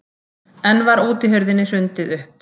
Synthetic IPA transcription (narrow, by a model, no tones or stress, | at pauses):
ɛnːvaɾuːt̪ɪɦœɥɾðɪnːɪr̥ʏnt̪ɪðʏhp